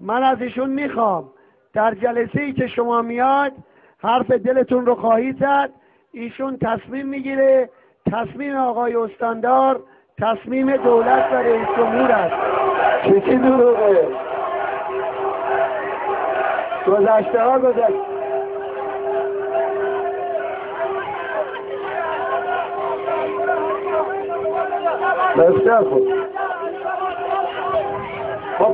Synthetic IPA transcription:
mænæziːʃunmiːxɒːm | d̪̥æɾd͡ʒælese̞jiːce̞ʃomɒːmijɒd̪ | hæɾfe̞d̪ele̞t̪unɾoxɒːhiːd̪zæd̪̥̚ | iːʃunt̪ʰæsmiːmːiːɟiːɾe | t̪ʰæsmiːmeɒːɣɒːjeost̪ɒːnd̪ɒːɾ | t̪ʰæsmiːme̞d̪owlæt̪ʰvæɾeiːsd͡ʒomhuːɾæst̪t͡ʃʰet͡ʃʰid̪oɾuːɣe | ɡ̥ozæʃt̪ehɒːɡozæʃ | beft̪æɾxo | xo

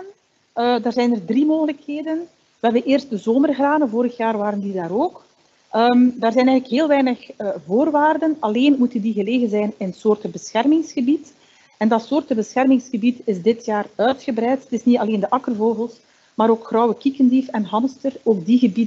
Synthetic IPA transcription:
n | ədaːrzɛjnərdrimoːɣələkheːdən | ʋɛʋəʔeːrst̚dəzoːmərɣraːnənvoːɾəxjaːrʋaːɾəndidaːɾoːk | ʔəmdaːrzɛjnɛjɣələkɦeːlˠʋɛjnəxvoːrʋaːrdənɑleːnmutəndiɣəleːɣənzɛjnɪnsoːrtəbəsxɛrmɪŋsxəbit | ɛndɑtsoːrtəbəsxɛrmɪŋsxəbitɪzdɪtjaːrœɥtxəbɾɛjttɪsnitɑleːndəʔɑkərvoːɣəlˠs | maːɾoːkxrɔwəkikəndifɛnɦɑmstəroːɡ̚diɣəbid

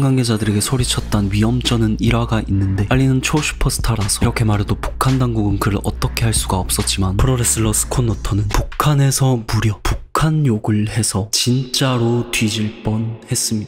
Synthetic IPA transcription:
ŋɡaŋɡe̞d͡ʑadɯɾe̞ɡe̞sʰoɾit͡ɕʰʌt̚t͈anɥiʌmt͡ɕ͈ʌnɯniɾwaɡainːɯnde̞paʎːinɯnt͡ɕʰoɕʰu̥pʰʌsʰɯ̥tʰaɾasʰʌɾʌkʰe̞maɾedopu̥kʰandaŋɡuɡɯnkɯɾɯɾʌ̰t͈ʌkʰe̞ɦaɭs͈uɡaʌp̚s͈ʌt̚t͡ɕ͈imanpʰɯɾoɾes͈ɯɭːʌsʰɯ̥kʰonːʌtʰʌnɯnpukʰane̞sʰʌmuɾjʌpukʰanjoɡɯɭhe̞sʰʌt͡ɕint͡ɕ͈aɾotwɥid͡ʑiɭp͈ʌnhe̞s͈ɯmɲida

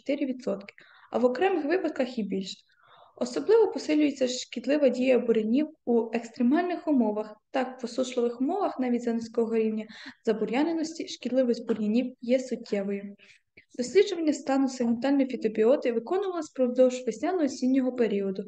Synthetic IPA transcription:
t̪ɪɾʲiʋʲid̪sɔt̪kɪ̥ | ɐ̰ʋɔkɾɛmɪxʋɪpɐd̪kɐxibʲilʲʃ | ɔsɔblˠɪʋɔpɔsɪlʲʊjet͡sʲːɐʃkʲid̪lˠɪʋɐdʲijɐbʊɾenʲiwuekst̪ɾemɑlʲnɪxʊmɔʋɐxt̪ɑkʋɔsuʃlˠɔʋɪxʊmɔʋɐxnɑʋʲitʲzɑnɪsʲkɔɦɔɦɐɾʲiwnʲɐzɐbʊɾʲjɑnenɔsʲtʲiʃkʲid̪lˠɪʋɪsʲtʲbʊrjɐnʲiwjɛsʊtʲːɛʋɔjʊ | d̪̥ɔsʲlʲidd͡ʒʊʋɐnʲːɐst̪ɑnʊseɦment̪ɑlʲnɔjfʲit̪ɔbʲiɔt̪ɪʋɪkɔnʊʋɐlˠɪsʲpɾɔwd̪ɔwʒʋesʲnʲanɔɔsʲinʲːɔɦɔpeɾʲiɔd̪ʊ

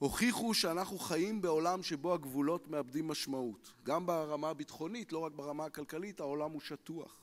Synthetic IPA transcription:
ho̞χiχuʃeanaχnuχajimbe̞o̞lamʃe̞bo̞haɡvulo̞tmeabdimːaʃmautɡambaʁamaːbitχo̞nitlo̞ʁak̚baʁamaakalkalithao̞lamuʃatua̰χ

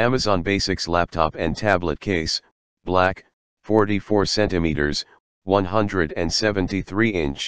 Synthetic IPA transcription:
æmɨzɑ̃nbeɪsɨkslæp̚tʰɑ̰pɨ̃ntʰæblə̰t̚kʰeɪs | b̥læk | fɔɹɾifɔɹsɛ̃ntɨmiɾə̰˞z̥ | wʌ̃nɦʌ̃ndɹɨɾɨ̃nsɛvɨ̃ntiθɹiɪ̃nt͡ʃ

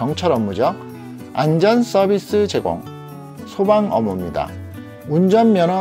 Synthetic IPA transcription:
ʌŋt͡ɕʰʌɾʌmːud͡ʑʌk̚ | a̰nd͡ʑʌns͈ʌbis͈ɯt͡ɕe̞ɡo̰ŋ | sʰobaŋʌmumɲida̰ | und͡ʑʌmmjʌnʌ

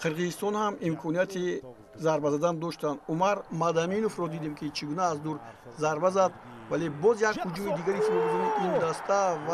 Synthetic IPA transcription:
qʰɨɾʁizist̪ɔnhamimkʰɔnijat̪ʰi | zaɾbazad̪and̪ɔʃt̪and̪umaɾmad̪aminofɾɔd̪id̪emkʰit͡ʃʰiɡunaːzd̪uɾ | zaɾbazad̪̚ | vale̞bɔzjakhud͡ʒumid̪iɡaɾifilɔvdɔniʔind̪ast̪ʰav

